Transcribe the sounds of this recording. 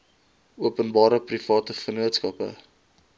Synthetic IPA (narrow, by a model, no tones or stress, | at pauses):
uəpənbɑːɾəprifɑːtəfənuətskɐpə̰